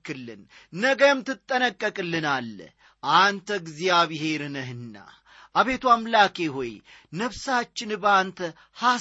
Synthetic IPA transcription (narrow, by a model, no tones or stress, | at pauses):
kɨlːɨ̰nnəɡəmt̪ʰɨt̪ʼːənəkʼːəkʼɨlːɨnalː | ʔant̪ʰəɡzijaβɪhe̞ɾɨnəɦɨnːa̰ | ʔaβe̞t̪ʰuamlake̞ho̞j | nəβsat͡ʃːɪnbəant̪ʰə | ha